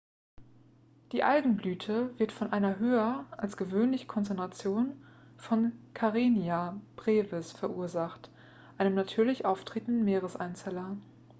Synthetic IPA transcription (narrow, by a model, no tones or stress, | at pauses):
d̥iːʔalɡŋ̩blyːtʰəvɪɐtfɔnʔaɪnɐɦøːɐʔalsɡ̥əvøːnlɪçn̩kʰɔnt͡sɛntʁat͡sjoːn | fɔnkʰaʁeːnjab̥ʁeːvɪsfɛɐʔuːɐzaχt | ʔaɪnəmnatʰyːɐlɪçʔaʊftʁ̥eːtn̩dən̩meːʁəsa̰ɪnt͡sɛlɐ